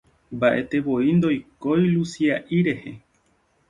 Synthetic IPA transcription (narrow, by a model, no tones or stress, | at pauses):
mbaʔe̞t̪e̞βo̞ind̪o̞jko̞jlusiaʔiɾe̞he